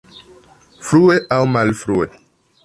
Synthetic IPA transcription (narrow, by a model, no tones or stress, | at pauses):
fɾueʔawmalfɾue